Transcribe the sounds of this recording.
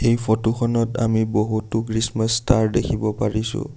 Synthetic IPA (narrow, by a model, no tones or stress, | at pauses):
xejpʰɔtuxʰɔnɔta̰miboɦutːʊkɹismastaɹdekʰibɔpaɹisʊ̰